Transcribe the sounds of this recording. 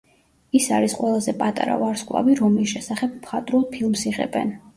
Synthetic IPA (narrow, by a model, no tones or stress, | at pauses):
isaɾisqʼwɛlˠazɛpʼat̪ʼa̰ɾa̰vaɾskʼlˠa̰viɾɔmlisʃɛsaχɛb̚mχat̪ʼɾulˠd̪̚pʰilˠmsiʁɛ̰bɛ̰n